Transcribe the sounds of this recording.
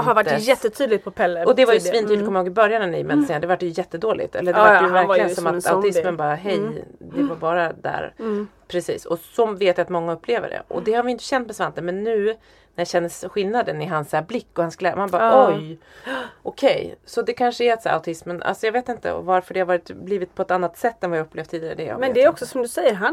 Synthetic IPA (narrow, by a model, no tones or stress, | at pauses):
haɾvaʈːjɛt̪ːət̪ʰyːd̪lɪɡ̪̚pʰɔpʰɛlːəɔd̪ɛvaɾjəsvint̪yːkʰɔmjahoːɡɪbœɾjanənɪ̰mɛnseːnad̪ɛvaʈ̚ːɖɛjɵjɛt̪ːəd̪oːlɪ̰ɡt̪ʰɛ̰lːəɖɛvajvæɾklɪɡənsɔmat̪a̰ʊɪsmənbɑːɾaɦɛjd̪ɛvaɾbɑːɾad̪æ̰ːɾpʰɾɛsḭːsɔsɔveːt̪jat̪mɔŋːaɵpːleːvə̰ɖɛ̰ʔɔ̰d̪ɛhaɾvɪjɪnt̪əɕɛnt̪mɛsvant̪ənmɛnːʉ̟ː | næjaɕɛnːəsɧɪlnad̪ənɪɦansæːɾblɪkːɔhansɡlɛmanbɑːɾɔɔj | ʔɔkʰɛjsɔd̪ɛkʰanʂəæɾat̪sæːɾʔa̰ʊt̪ʰɪsməna̰lsɔjɑːɡveːt̪ɪnt̪ə̰ɔ̰vaɾfœɖɛhaɾvɑːɾɪt̪bliːvɪt̪̚pʰɔɛt̪anːat̪sɛt̪ːɛnvajaɵpːleːvdt̪ʰiːd̪ɪaɾə̰d̪ɛ̰mɛnd̪ɛɾɔksɔsɔmd̪ɵsɛjəɾɦa